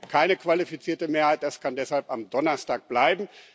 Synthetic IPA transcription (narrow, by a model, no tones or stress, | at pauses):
kʰaɪnəkv̥alifit͡siːɐtəmeːɐhaɪt̚d̥askʰandɛshalpamdɔnɐstaːk̚b̥laɪbm̩